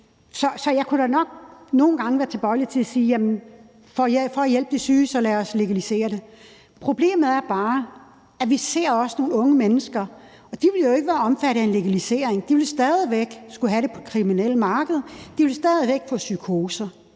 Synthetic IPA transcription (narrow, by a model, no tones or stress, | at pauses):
sɒ̽sɒ̽jɑ̈ɪkʰuɾænɒ̽ɡ̥̚no̝ːn̩ɡ̥ɑ̈ŋəʋæːɐt͡sʰe̝b̥ɒ̽ɪlit͡sʰe̝æsiːjæmən | fɒ̽fɒ̽æjel̰b̥əd̥e̝syːsɒ̽læɒ̽sle̝ɡ̥ælise̝̰ːɐɾ̥e̝ | pʰʁo̝b̥le̝̰ːməð̩ˠæɐb̥ɑ̈ː | æʋise̝̰ɐ̰ɒ̽səno̝ːn̩ɔ̽ŋəmenəsɡ̥ɐ | ɒ̽d̥iʋe̝ljo̝e̝ɡ̥əʋæːɐɒ̽mfæɾəe̝nle̝ɡ̥ælise̝ːɐ̰eŋd̥iʋe̝lsd̥ɛðˠiʋeɡ̥sɡ̥uɦæɾe̝pʰɒ̽kʰʁiminel̰əmɑ̈ːɡ̥əð̩ˠd̥iʋe̝lsd̥ɛːðˠiʋeɡ̥fɔ̽sykʰo̝ːsɐ